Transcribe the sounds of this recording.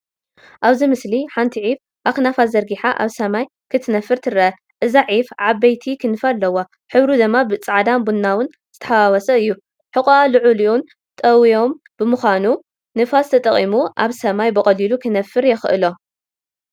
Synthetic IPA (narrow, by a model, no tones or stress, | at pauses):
ʔaβzimɨsliħant̪ʰiʕif | ʔaknafazɐɾɡiħaʔa̰βsɐmaj | kʰɨt̪ʰɨnɐfːɨɾt̪ʰɨɾɐʔɐ | ʔɨzaʕifʕabɐjt̪ʰikʰɨnɨfalːɐwa | ħɨβɾud̪ɨmːabɨt͡sʼaʕd̪ambunːawɨn | z̥ɨt̪ʰɐ̥ħawawɐsɐɨjːu | ħɨkʼalɨʕuliun | t̪ʼɐwijo̞m | b̥ɨmɨxʷanu | nɨfast̪ʰɐt̪ʼɐχʼḭmuʔaβsɐmajbɨkʼɐlilukʰɨnɐfːɨɾjɛxɨʔɨ̰lo̞